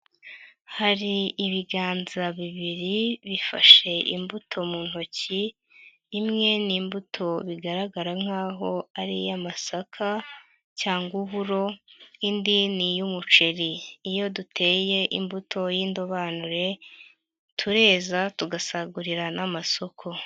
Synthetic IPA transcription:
haɾiiβiɡaːnzaβiβiɾiβifa̰ʃe̞ʔḭmbutʰo̞muːn̥ho̞ciː | mŋe̞niːmbutʰo̞βiɡaɾaɡaɾaŋ̥haːɦo̞aɾḭjamasakʰa | caːŋɡuβuɾo̞indinijumut͡ʃe̞ɾiːjo̞dutʰe̞ːje̞ʔimbutʰo̞jiːndoβanuɾe̞ | tʰuɾe̞ːzatuɡasaɡuɾiɾanʔamaso̞kʰo̞

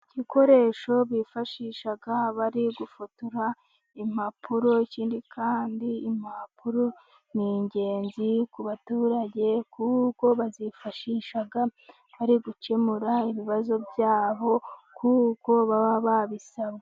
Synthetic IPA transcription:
ɟiko̞ɾe̞ʃo̞βifaʃiːʃaɡaβaɾiɡufutuɾa | im̥apʰuɾo̞iciːndikʰaːndiːmapuɾo | niɲɟe̞ːnzikuβatuːɾaɟe̞kʰuko̞βazifaʃiʃaɡa | βaɾiɡut͡ʃe̞muɾaiβiβazo̞bjaːβo̞kʰuko̞βaβaβaβisaβe

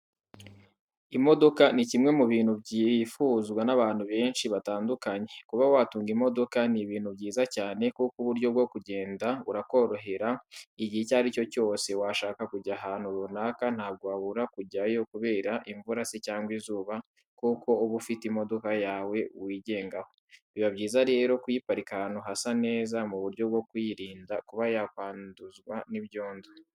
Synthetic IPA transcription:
imo̞do̞kanicimŋe̞muβiːn̥hubɟifuːzɡwanaβaːn̥huβe̞ːnʃiβataːndukaɲe̞kuβawatuːŋɡimo̞do̞kaniβiːn̥hubɟiːzacaːne̞kukuβuɾɟo̞b̚ɡo̞kuɟe̞ːndauɾako̞ɾo̞ɦe̞ɾaiɟihecaɾico̞co̞ːse̞waʃaːkakuɟaɦaːn̥huɾunakan̥haːb̚ɡoaβuɾakuɟajo̞kuβe̞ːɾaʔiɱvuɾasicaːŋɡwizuːβa | kuko̞uβufitimo̞do̞kajaːwe̞wiːɟe̞ːŋɡaho̞̥ | βiβaβɟiːzaɾe̞ːɾo̞kujipaɾikanuɦasane̞ːzamuβuɾjo̞bɡo̞kwiɾiːndakuβajakwaːnduzɡwaniβjoːndu

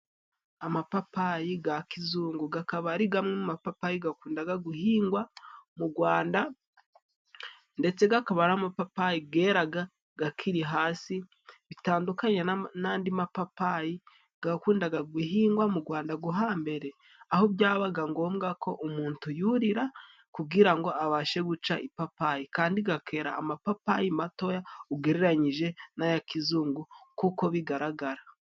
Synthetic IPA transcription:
amapapajiɡakizuːŋɡuɡakaβaɾiɡamŋemumapapajiɡakuːndaɡaɡuhiːŋɡwamuɡwaːnda | nde̞t͡se̞ɡakaβaɾamapapajiɡe̞ːɾaɡa | ɡakʰiɾiɦaːsi | βitaːndukaɲenaːndimapapaji | ɡ̥akuːndaɡaɡwiɦiːŋɡwamuɡwaːndaɡuɦaːmbe̞ɾe̞ː | hobjaːβaɡaŋɡo̞mɡakʰo̞ʔumuːntujuɾiɾa | kuɡiɾaŋɡo̞aβaːʃe̞ɡut͡ʃaʔipapajikaːndiɡakʰe̞ːɾa̰ːmapapajimato̞jauɡe̞ɾe̞ɾaɲiʒe̞najakizuːŋɡukuko̞βiɡaɾaɡaɾa

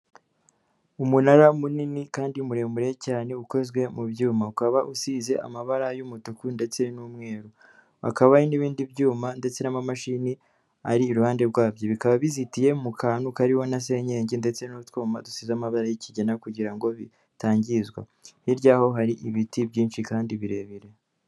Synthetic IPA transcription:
umunaɾamuninikaːndimuɾembuɾejcaːne̞uko̞zɡwe̞mubjuːmaukaβaʔusize̞ʔa̰maβaɾajumutukunde̞t͡se̞numŋe̞ːɾu | a̰kaβainiβiːndibɟuːmande̞t͡se̞namamaʃini | aɾiːɾuhaːnde̞ɾɡwaːbjo̞βikaβaβizitije̞mukʰaːnukaɾiho̞nas̬e̞ːɲe̞ːɲɟinde̞t͡se̞nutwoːmadusizamaβaɾajiciɟe̞nakuɟiɾaŋɡo̞βi | taːɲɟizɡwa̰ | hiɾɟaːho̞ɦaɾiʔiβitibɟiːnʃikaːndiβiɾe̞ːβiɾe̞

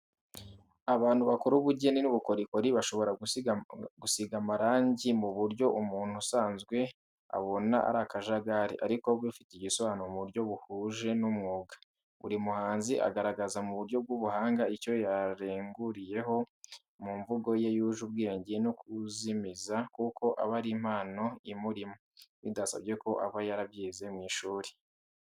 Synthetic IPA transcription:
aβaːnhuβakoɾuβuɟe̞ninuβuko̞ɾikoɾiβaʃo̞βo̞ɾa | ɡusiɡamaɾaːɲɟimuβuɾɟo̞ʔumuːn̥husaːnzɡwe̞ | a̰βo̞na̰ʔa̰ɾakaʒaɡaɾḭʔa̰ɾiko̞βwifi̥tiɟisoβanomuɾɟo̞βuhuʒe̞numŋuːɡa | βṵɾimuhaːnziʔa̰ɡaɾaɡazamuβuɾɟo̞b̚ɡuːβuhaːŋɡaico̞jaɾeːŋɡuɾije̞ɦo̞ | muɱvuɡo̞je̞juːʒubɡe̞ːɲɟenokuzimizakuko̞ʔa̰βaɾim̥haːno̞imuɾimoβidasa̰βɟe̞ko̞ʔaβajaɾabjiːze̞mŋiːʃuːɾe̥

